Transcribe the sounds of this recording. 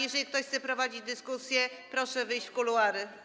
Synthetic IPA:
jɛʐɛlʲikt̪ɔɕxsɛpɾɔvad͡ʑid͡ʑd̪ɘskusʲjɛ | pɾɔʂɛvɘjɕt͡ɕfkuluaɾɘ

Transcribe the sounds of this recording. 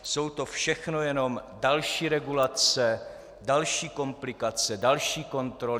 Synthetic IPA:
so̞wt̪o̞fʃɛxno̞jɛno̞mdalʃiːɾɛɡulat͡sɛ | dalʃiːko̞mplɪkat͡sɛdalʃiːko̞nt̪ɾol

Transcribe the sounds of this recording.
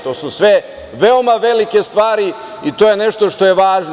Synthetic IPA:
t̪oːsusʋe | ʋeo̞maʋe̞like̞st̪ʋaːɾi | it̪oːje̞ne̞ʃt̪o̞ʃt̪o̞jeʋaːʒn

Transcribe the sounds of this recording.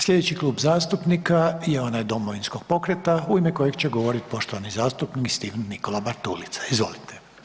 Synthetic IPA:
sʎʲed̪et͡ɕikluːbzaːst̪upnikajeo̞najd̪o̞moʋinskoɡ̥̚po̞kɾet̪auimeko̞jeɡt͡ɕeɡo̞ʋo̞ɾit̪i̥po̞ʃt̪oʋanizaːst̪upnikist̪iʋnːiko̞labaɾt̪ulit̪sḁizʋo̞̰lit̪ʰe̥

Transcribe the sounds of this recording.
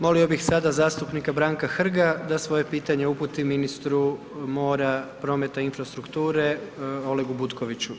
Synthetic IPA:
mo̞lio̞bixsad̪azaːst̪upnikabɾaːŋkaxr̩ɡad̪asʋo̞je̞piːt̪aɲe̞uput̪iminist̪ɾu | mo̞ːɾapɾo̞me̞t̪ainfɾast̪ɾukt̪uːɾe̞o̞le̞ɡubut̪koʋit͡ɕu

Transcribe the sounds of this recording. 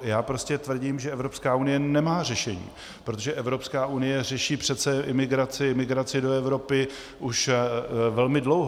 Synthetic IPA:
jaːpɾo̞scɛt̪vr̩ɟiːmʒɛɛvɾo̞pskaːunɪjɛnɛmaːr̝ɛʃɛɲḭː | pɾot̪oʒɛʔɛvɾo̞pskaːʔunɪjɛrɛʃiːpr̝̥ɛt̪t͡sɛʔɪmɪɡɾat͡sɪɪmɪɡɾat͡sɪdo̞ɛvɾo̞pɪ | ʔuʃ | vɛlmɪdlowɦ

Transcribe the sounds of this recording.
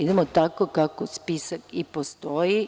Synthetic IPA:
id̪emot̪akokakospisakipost̪o̞ji

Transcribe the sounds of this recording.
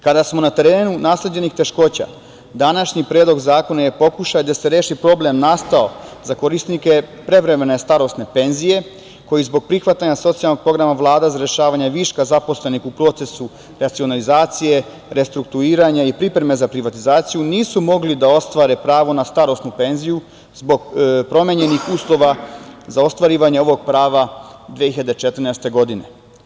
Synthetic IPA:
kad̪asmo̞nat̪e̞ɾeːnunaːsle̞d͡ʑe̞nixt̪e̞ʃko̞ːt͡ɕa̰ | d̪anaʃɲipɾeːd̪lo̞ɡzaːko̞najepo̞kuʃajd̪ase̞ɾe̞ːʃipɾo̞ble̞mnast̪ao̞zako̞ɾisnike̞pɾe̞ʋɾe̞me̞ne̞st̪aɾo̞st̪ne̞pe̞nzije̞ | ko̞jizbo̞ɡ̚pɾixʋat̪aɲaso̞t̪sijalnoɡ̚pɾo̞ɡɾamaʋlˠaːd̪azaɾje̞ʃaːʋaɲaʋiʃkazapo̞sle̞nixupɾo̞ːt̪se̞su | ɾat̪sio̞nalizaːt̪sije̞ | ɾe̞st̪ɾuk̚t̪uiːɾaɲaipɾipɾeme̞zapɾiʋat̪izaːt̪sijuniːsumo̞ɡlid̪ao̞st̪ʋaɾepɾaːʋo̞nast̪aɾo̞st̪nupe̞nziju | zbo̞ɡpɾo̞meɲe̞nixuːslˠo̞ʋazao̞st̪ʋaɾiːʋaɲeo̞ʋo̞ɡ̚pɾaːʋad̪ʋiehiʎad̪et͡ʃet̪ɾ̩nɛst̪e̞ɡo̞d̪ine̞

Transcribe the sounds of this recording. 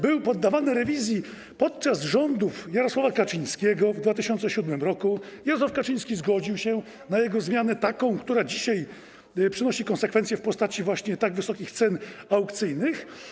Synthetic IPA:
bɘwpɔd̪ːavanɘɾɛvʲizʲji | pɔt̪̚t͡ʂazʐɔnd̪ufjaɾɔswavakat͡ʂij̃skʲɛɡɔvd̪vat̪ɘɕɔntsɛɕud̪mɘmɾɔkujaɾɔswafkat͡ʂiɲ̃skʲizɡɔd͡ʑiwɕɛ | najɛɡɔzmʲjanɛt̪akɔ̃w̃kt̪uɾad͡ʑiɕaj | pʂɘnɔɕikɔ̃nsɛkfɛnsʲjɛfpɔst̪at͡ɕivwaɕɲɛt̪aɡvɘsɔkʲixt̪sɛnawkt̪sɘjnɘx

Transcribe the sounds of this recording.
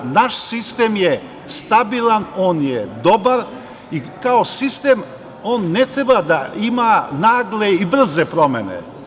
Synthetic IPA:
naʃsist̪emje | st̪abilˠanoːnjed̪obaɾ | ikaosist̪em | oːnːet̪ɾebad̪aimanaːɡleibr̩zepɾomḛnḛ

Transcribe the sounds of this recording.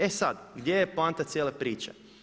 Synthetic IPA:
esad̪ɡd̪jejeplˠaːnt̪at̪sʲjeːlepɾiːt͡ʃa̰

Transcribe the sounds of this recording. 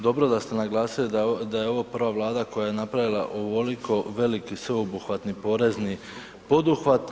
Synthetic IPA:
d̪o̞bɾo̞d̪ast̪enaɡlˠaːsilid̪ajeo̞ʋopr̩ʋaʋlˠaːd̪ako̞jaje̞napɾaʋilˠa̰ʔoʋolikʰo̞ʋe̞likisʋe̞obuxʋat̪nipo̞ːɾe̞zni | po̞d̪uxʋat̪

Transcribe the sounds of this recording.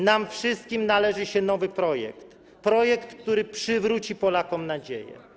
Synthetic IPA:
namfʂɘst̪̚kʲimnalɛʐɘɕɛn̪ɔvɘpɾɔjɛ̰kt̪ | pɾɔjɛkt̪k̚t̪uɾɘpʂɘvɾut͡ɕipɔlakɔmnad͡ʑḛjɛ̰

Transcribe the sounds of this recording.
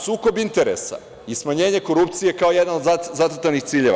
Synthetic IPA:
suːko̞bint̪e̞ɾe̞̰sa̰ | ismaɲe̞ːɲe̞ko̞ɾup̚t̪sije̞kao̞jed̪nanod̪azat̪ot̪anixt̪siːʎe̞ʋa̰

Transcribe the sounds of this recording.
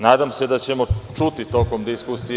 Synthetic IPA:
naːd̪amse̞d̪at͡ɕe̞mo̞t͡ʂut̪it̪oko̞md̪iskusij

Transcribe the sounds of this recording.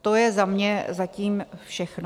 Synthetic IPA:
t̪ojɛzamɲɛzaciːmfʃɛxno

